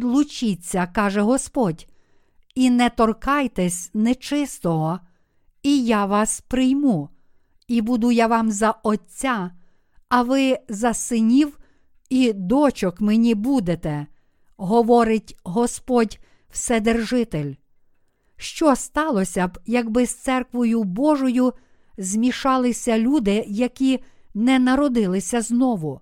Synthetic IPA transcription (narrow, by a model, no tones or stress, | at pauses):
d̪lˠʊt͡ʃit͡sʲːɐkɑʒɛɦɔspɔdʲ | inɛt̪ɔrkɑjt̪ɛsʲnɛt͡ʃɪst̪ɔɦɔ | ijaʋɑspɾɪjmu | ibud̪ʊjɐʋɑmzɐɔt͡sʲːa | ɐʋɪzɐsɪnʲiw | id̪ɔt͡ʃɔkmenʲibud̪et̪ɛ | ɦɔʋɔɾɪtʲɦɔspɔdʲ | wsɛd̪erʒɪt̪elʲ | ʃt͡ʃɔst̪ɑlˠɔsʲɐbjɐɡbɪst̪sɛrkʋɔjʊbɔʒɔjʊ | zʲmʲiʃɑlˠɪsʲɐlʲud̪ɪjɐkʲinɛnɐɾɔd̪ɪlˠɪsʲɐznɔʋʊ